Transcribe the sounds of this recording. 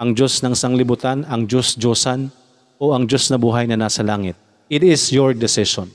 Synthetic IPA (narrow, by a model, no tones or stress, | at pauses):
ʔɐŋd͡ʒosnɐŋɪsɐŋlɪbut̪anɐŋd͡ʒosd͡ʒoːsɐn | oɐŋd͡ʒosnɐbuːɦɐjnɐnaːsɐlaːŋɪt̪̚ | ʔɪt̪ɪsjoɹd̪ɪsɪʃon